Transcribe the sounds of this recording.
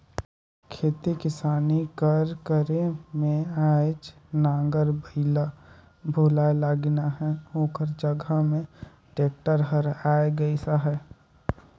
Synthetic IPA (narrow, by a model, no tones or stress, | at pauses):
kʰeːt̪ikɪsaːnikəɾkəɾemẽaːd͡ʒnãːŋɡəɾbəɪla | bʱuːlaelaːɡnaɦɛɦoːkəɾd͡ʒəɡʱəmẽ | ʈeːk̚ʈəɾɦəɾaːeɡəisaɦɛ